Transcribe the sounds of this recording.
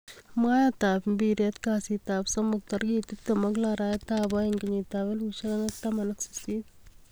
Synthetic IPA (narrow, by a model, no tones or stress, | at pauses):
maːjaːt̪aːpbiːɾjɐt̪kaːsiːt̪aːpsɐmːɐk̚t̪ɐɾɡiːt̪ipt̪ːɐmɐɡlaːɾaːjɐt̪aːbaːjɐŋɡɐɲiːt̪aːʋeluʃɐlɐnɐt̪ːamɐnɐksi̥siːt̪